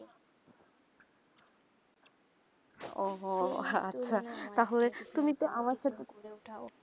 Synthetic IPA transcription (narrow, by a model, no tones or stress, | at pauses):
ɔɦa̰tːɕʰat̪aɦolet̪umit̪oʔamaɾʃat̪ʰe